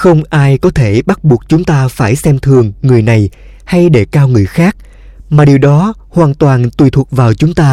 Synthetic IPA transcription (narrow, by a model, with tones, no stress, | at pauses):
xə˧wŋ͡mʔaː˧jkɔ˨˦t̪ʰe˧˩ɓa˦˥t̚ɓu˨˩ək̚t͡ɕʊ˨˦ŋ͡mt̪aː˧faː˧˩jsɛ˧mt̪ʰɨ˨˩əŋːɨ˨˩əjna˨˩j | ha˧jɗe˧˩kaː˧wŋɨ˨˩əjxaː˦˥k̚ | maː˨˩ɗi˨˩əwɗɔ˨˦ | hwaː˨˩nt̪waː˨˩nt̪wi˨˩t̪ʰu˨˩vaː˨˩wt͡ɕʊ˨˦ŋ͡mt̪aː˧